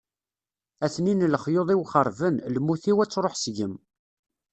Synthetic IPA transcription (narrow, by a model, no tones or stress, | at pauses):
æθninləχjoðˤiwχəɾˤvənlmːuθiwæt͡sːɾˤoħsʝəm